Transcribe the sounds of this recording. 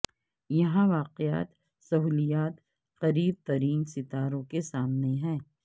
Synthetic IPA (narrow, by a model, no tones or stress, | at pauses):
jɐɦãʋaːqeja̰ːt̪ | sɐɦuːlijaːt̪ | qɐɾiːb̚t̪ɐɾiːnsɪt̪aːɾõkesaːmneɦɛ̃ː